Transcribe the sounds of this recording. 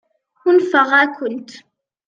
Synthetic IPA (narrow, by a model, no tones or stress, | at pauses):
xʊnfəʁækʊnt̪